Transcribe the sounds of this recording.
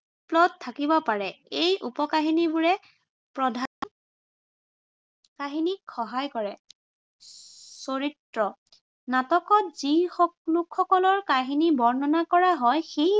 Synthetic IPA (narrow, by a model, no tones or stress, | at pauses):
plɔd̚tʰakibɔpaɹɛejʔupɔkaɦinibuɹɛ | pɹɔdʱan | kaɦinikxɔɦajkɔɹɛ | soɹitɹɔ | natɔkɔtzixɔlukxɔkɔlɔɹkaɦinibɔɹnɔnakɔɹaɦɔjxej